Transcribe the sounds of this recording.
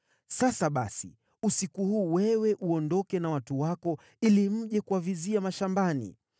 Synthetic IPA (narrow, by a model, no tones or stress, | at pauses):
sasaɓa̰sḭ | usikuhuːwɛwɛʔuɔndɔkɛnawatuwakɔ | ilim̩ʄɛkuaviziamaʃambanḭ